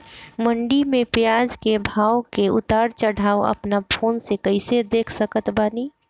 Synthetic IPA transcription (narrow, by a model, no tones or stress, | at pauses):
məɳɖimẽpjad͡ʒkebʱaːʊkeʊt̪aːɾt͡ʃəɽ̤ʱaːoə̰pnapʰoːnsekəɪsed̪eːkʰsəkət̪baːni